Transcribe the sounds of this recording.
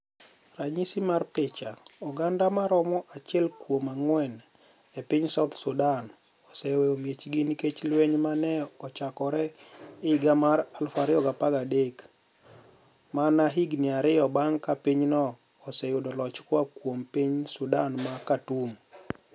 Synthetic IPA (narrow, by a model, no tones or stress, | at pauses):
raɲisimarpɪt͡ʃaɔɡandamaɾɔmɔʔat͡ʃɛlkwomaŋwɛn | ɛpɪɲsat̪sʊdan | ɔsɛwɛomjet͡ʃɡiniket͡ʃlweɲmanɛɔt͡ʃakɔɾɛɪɡamaɾalfaɾɪɔɡapaɡadek | manaɦiɡnɪaɾɪɔbaŋkapiɲnɔː | sɛjʊdɔlɔt͡ʃkwakwompiɲsʊdanmakatum